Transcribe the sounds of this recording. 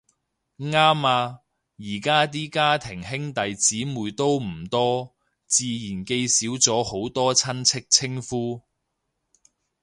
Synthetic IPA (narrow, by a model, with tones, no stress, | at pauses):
ŋaː˥maː˧ | jiː˨˩kaː˥t̪̬iː˥kaː˥t̪ʰɪ˨˩ŋɦɪ˥ŋt̪ɐ˨˧jt͡siː˨˥muː˨jt̪o˥wm̩˨˩t̪ɔː˥ | t͡siː˨˧jiː˨˩nke˧jsiː˨˥wt͡sɔː˨˥ho˨˥wt̪ɔː˥t͡sʰɐ˥nt͡sʰɪ˥k̚t͡sʰɪ˥ŋfuː˥